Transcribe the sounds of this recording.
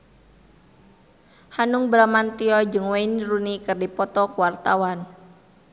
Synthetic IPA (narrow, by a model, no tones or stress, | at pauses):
hanuŋbɾamant̪iɔd͡ʒɨŋwainrunikɨrdipɔt̪ɔkuwart̪awan